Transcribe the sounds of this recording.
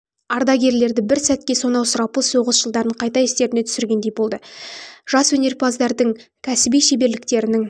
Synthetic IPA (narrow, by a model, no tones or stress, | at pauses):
ɑɾd̪ɑɡʲe̞ɾle̞ɾd̪ɪbɪɾsæt̪̚kʲe̞so̞nɑwsʊɾɑpəlˠso̞ʁəsʒəlˠd̪ɑɾəɴqʰɑjt̪ɑest̪e̞ɾɪne̞t̪ʰʏsɪɾɡʲe̞nd̪e̞jbo̞lˠd̪əʒ̥ɑswɵne̞ɾpʰɑzd̪ɑɾd̪əŋkʲʰæsɪbijʃe̞be̞ɾlɪk̚t̪e̞ɾɪnɪŋ